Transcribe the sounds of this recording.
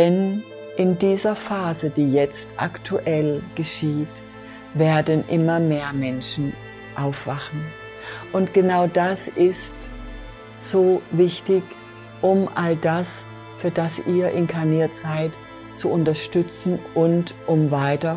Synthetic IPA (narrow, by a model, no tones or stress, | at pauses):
d̥ɛn | ʔɪndiːzɐfaːzədiːjɛt͡stʔa̰ktʰuʔɛlɡ̥əʃiːt | veːɐdn̩ʔɪmɐmeːɐmɛnʃn̩ | ʔaʊfv̥aχn̩ | ʔʊntɡ̥ənaʊdasʔɪst | z̥oːvɪçtɪç | ʔʊmʔaldas | fyːɐdasiːɐʔɪnkʰaɐniːɐtz̥aɪt | t͡suʊntɐʃtʏt͡sn̩ʔʊntʔʊmvaɪtɐ